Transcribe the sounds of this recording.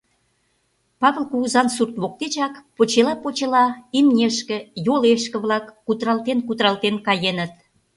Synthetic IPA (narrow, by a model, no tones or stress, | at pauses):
pɑβəlkuɣuzɑnsurt̪βok̚t̪et͡ɕɑkpot͡ɕelɑpot͡ɕelɑimnʲeʃkĕjoleʃkə̆βlɑkːut̪ɾɑlˠt̪enkut̪ɾɑlt̪enkɑjenət̪